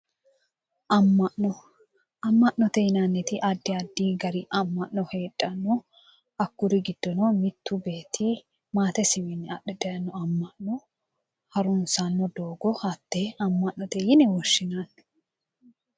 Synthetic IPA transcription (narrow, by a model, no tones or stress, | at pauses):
ʔɐmːɐʔnɔ | ɐmːɐʔnɔt̪ɛjɪnanːɛt̪ɪʔɐd̪ːɪɐd̪ːiːɡɐɾɪʔɐmːɐʔnɔhe̞ːᶑʼːɐnːɔ | ɐkːʊɾɪɡɪd̪̥ːɔnɔmɪt̪ːʊbe̞ːt̪ʰːi | maːt̪ɛsɪwɪnːɛɐʔɛd̪ɐjɐnːɔɐmːɐʔnɔ | hɐɾʊnsanːɔd̪oːɡɔhɐt̪ːeɐmːɐʔnɔt̪ɛjɪnɛwɔʃːɪnaːn